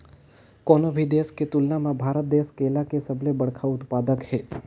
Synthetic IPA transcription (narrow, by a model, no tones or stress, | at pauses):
koːnobʱid̪eːsket̪ʊlnamãbʱaːɾət̪̚d̪eːskeːlakesəblebəɽkʰaʊt̪paːd̪əkɦɛː